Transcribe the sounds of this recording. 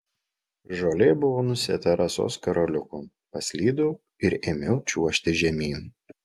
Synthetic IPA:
ʒoːlʲɛbʊʋoːnʊsʲḛːt̪ɐɾʔɐso̰ːskɐɾolʲʊkuː | pɐsʲlʲiːd̪u | ɪɾɪmʲɪʊt͡ʃʲuɔʃʲt̪ʲɪʒʲɛmʲiː

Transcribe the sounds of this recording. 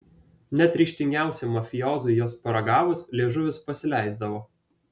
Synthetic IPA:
nʲɛt̪ʲɾʲiːˑʃʲt̪ʲɪŋʲɡʲæˑʊsʲɛmɐfʲɪjɔːzʊɪjoːspɐɾɐɡɑːʋʊslʲeːʒʊʋʲɪspɐsʲɪlʲæˑɪzd̪ɐʋoː

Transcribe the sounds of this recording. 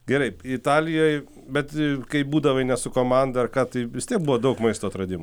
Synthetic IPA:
ɡʲɛɾɐɪɪt̪ɑːlʲɪjoːj | bʲɛt̪kɐɪbuːd̪ɐʋɐɪnʲɛsʊkoːmɑnd̪ɐɐrkɑːt̪ɐɪʋʲɪstʲiɛk̚bʊʋoːd̪ɐʊkmɐɪst̪oːɐt̪ɾɐd̪ʲɪm

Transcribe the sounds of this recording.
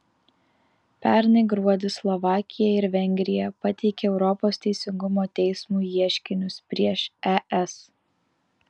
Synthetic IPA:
pʲæˑɾnɐɪɡɾuɔd̪ʲɪslˠɔʋɑːkʲɪjɛɪɾʋʲɛŋʲɡʲɾʲɪjɛpɐt̪ʲɛɪkʲeɛʊɾɔpoːst̪ʲɛɪsʲɪŋɡʊmoːt̪ʲɛɪsmuːjiɛʃʲkʲɪnʲʊspʲɾʲiɛʃɛʔɛs

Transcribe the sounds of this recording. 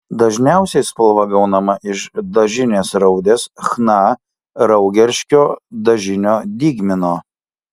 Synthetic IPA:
d̪ɐʒʲnʲæˑʊsʲɛɪspɐlˠʋɐɡɐʊnɐmɐʔɪʃd̪ɐʒʲɪnʲeːsɾɐʊd̪ʲeːsxnɑː | ɾɐʊɡʲɛɾʲʃʲkʲoːd̪ɐʒʲɪnʲoːd̪ʲiːɡʲmʲɪnoː

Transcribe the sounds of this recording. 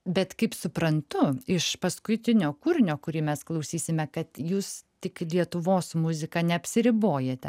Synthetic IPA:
bʲɛt̪kɐɪpsʊpɾɐnt̪ʊɪʃpɐskʊt̪ʲɪnʲoːkuːɾʲɪnʲoːkʊɾʲiːmʲɛsklˠɐʊsʲiːsʲɪmʲɛkɐt̪juːst̪ʲɪklʲiɛt̪ʊʋoːsmʊzʲɪkɑnʲɛɐpʲsʲɪɾʲɪboːjet̪ʲɛ̰

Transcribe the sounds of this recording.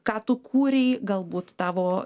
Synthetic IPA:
kɑːt̪ʊkʰuːɾʲɛɪɡɐlˠbuːt̪t̪ɑːʋoː

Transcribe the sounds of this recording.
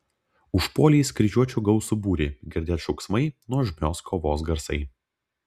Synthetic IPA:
ʊʃpoːlʲiːskɾʲɪʒʲuɔt͡ʃʲuːɡɐʊsubuːɾʲeːɡʲɪɾʲd̪ʲeːt̪ʃɔʊksmɐɪnuɔʒʲmʲoːskʰoːʋoːs̬ɡɐɾsɐɪ

